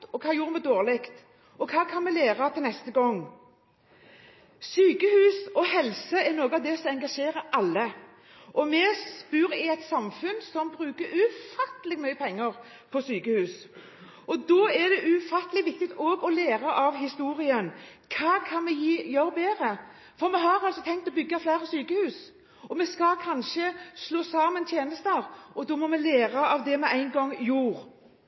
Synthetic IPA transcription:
ɔkʰɑːjuːɾəmɛd̪oːʁlɪkt̪ | ɔkʰɑːkʰɑnmɛleːʁɑt̪ʰɛlnɛst̪əɡɔŋː | syːkəhʉːsɔhɛlsəɛnoːɡəɑʋd̪ɛsɔɛŋɡɑʂeːɾəɾʔɑlːə | ʔɔmɛsspʉːɾɪɛt̪sɑmfʉnsɔmbɾʉːkəɾʉfɑt̪əlɪɡmœʏəpʰɛŋːəʁ | pʰɔsyːkəhʉːs | ʔɔd̪ɔːɛd̪ɛʔʉfɑt̪ːəlɪɡʋɪkt̪ɪt̪ɔɡɔleːɾɑʔɑʋɦɪst̪uːɾɪənkʰɑːkʰɑnmɛjiːjœɾəbeːɾə | fɔɾmɛɦɑɾɑlsɔt̪ʰɛŋkt̪ɔbʏɡːɑflæɪʁəsyːkəhʉːs | ɔmɛskɑkʰɑnʃəsloːsɑːmənt̪ʰjeːnəst̪əʁʔɔd̪ɔːmɔmɛleːɾɑɑʋd̪ɛmɛæɪnɡɔŋːjuːɾ

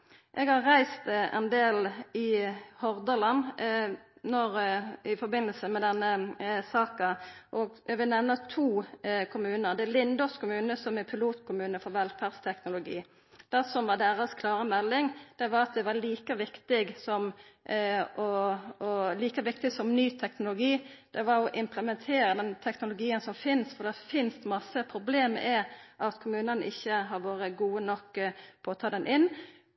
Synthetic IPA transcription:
ʔɛɡhɑʁʁæɪst̪ɛ̰nd̪eːlɪhɔʁd̪əlɑn | nɔɾɪfɔɾbɪnːəlsəmɛd̪ɛnːəsɑːkɑʔɔɡʋɪlnɛʋnət̪ʰuːkʰʊmʉːnəʁd̪ɛælɪnd̪ɔskʰʊmʉːnəsɔmɛpʰɪluːt̪kʰʊmʉːnəfɔɾʋɛlfæʁdst̪ʰɛknʊlʊɡḭː | d̪̥æsɔmʋɑd̪æʁɑskʰlɑːɾəmɛlːɪŋd̪̥ɛʋɑɾɑt̪̚d̪ɛʋɑliːkəʋɪkt̪ɪɡsɔm | ʔɔɔliːkəʋɪk̚t̪ɪɡsɔmnyːt̪ʰɛknʊlʊɡiːd̪̥ɛʋɑɾɔʔɪmpləmɛnt̪ʰeːɾəd̪ɛnt̪ʰɛknʊlʊɡiːənsɔmfɪnsfɔʁd̪ɛfɪnst̪mɑsːəpʰɾʊbleːm̰ʔɛʔɑt̪kʰʊmʉːnənəʔɪçːəɦɑɾʋoːɾəɡuːənɔkːpʰɔɔt̪ʰɑːd̪ɛnʔɪnː

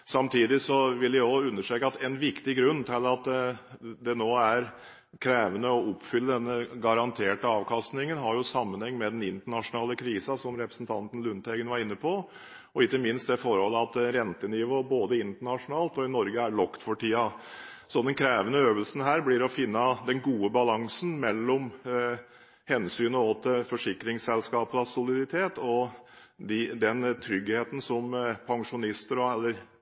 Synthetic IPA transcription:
sɑmt̪ʰiːd̪ɪsɔʋɪljæɔʉnːəʂʈɾeːkəɑt̪ɛnʋɪkt̪ɪɡɾʉnːt̪ʰɪlɑt̪ | d̪ɛnoːæɾ | kʰɾeːʋənəɔʊpːfʏlːəd̪ɛnːəɡɑɾɑnt̪ʰeːʈəɑːʋkʰɑst̪nɪŋənɦɑɾjʊsɑmːənhɛŋːmɛd̪ɛnɪnt̪əɳɑʂʊnɑːləkʰɾiːsɑsɔmɾɛpɾəsn̩t̪ʰɑnt̪ən̩lʉnt̪ɛɡənʋɑɾɪnːəpʰɔ | ɔɪkːəmɪnst̪̚d̪ɛfɔɾhɔlːəɑt̪ɾɛnt̪ənɪʋoːboːd̪əɪnt̪əɳɑʂʊnɑːlt̪ɔɪnɔɾɡəæɭɔkt̪fɔʈʰiːɑ | sɔd̪ɛnkʰɾeːʋənəøːʋəlsən̩ɦæːɾblɪɾɔfɪnːɑd̪ɛnɡuːəbɑlɑŋsn̩mɛlːɔm | hɛnsyːnəot̪əfɔʂɪkɾɪŋsɛlskɑːpəlɑsʊlɪd̪ɪt̪ʰeːt̪ɔ | d̪ɪd̪ɛnt̪ʰɾʏɡheːt̪ən̩sɔmpʰɑŋʂʊnɪst̪əɾɔɛlːəɾ

